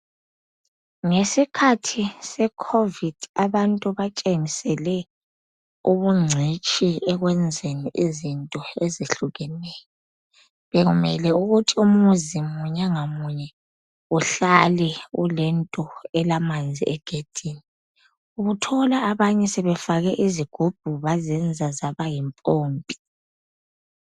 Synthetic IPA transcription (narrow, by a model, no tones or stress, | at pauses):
ŋesikʰatʰisɛkʰovid̥aβantʼuβat͡ʃʼeŋisɛlɛ | uβuŋ͡ǀʱit͡ʃʼiɛɣwɛnd͡zʱeniʔizintʼɔeziɬuɣɛnɛːjɔ | βɛɣumɛlɛuɣutʰium̩uzimuɲaŋamuɲɛ | uɬalɛṵlɛntʼɔɛlamand͡zʱḭʔɛɡ̥ʱed̥ʱiːni | uɣutʰɔlaːβaɲɛsɛβɛfaɣɛʔiziɡ̥ʱub̥̚ʱuβazɛnd͡zʱazaβajimpʼoːmbʱi̥